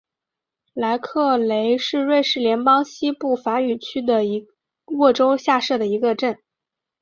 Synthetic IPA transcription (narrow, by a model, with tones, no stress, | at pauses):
la˧˥ɪkʰɤ˥˩le˧˥ɪʂɻ̩˥˧we˥˧ɪʂɻ̩˥˩ljɛ˧˥npɑ˥ŋɕi˥pu˥˩fa˧˥y˨˩t͡ɕʰy˥d̪ə˨˧˥ | wɔ˥˩ʈ͡ʂo˥ʊɕja˥˧ʂɤ˥˩d̪ə˩i˧˥ɡə˧ʈ͡ʂə˥˩n